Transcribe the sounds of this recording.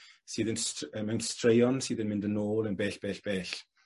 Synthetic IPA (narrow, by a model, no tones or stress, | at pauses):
siːðənsəmɛwnstrɹejɔnsiːðənmɪ̃ndənoːlˠənbɛːɬb̥ɛːɬb̥ɛːɬ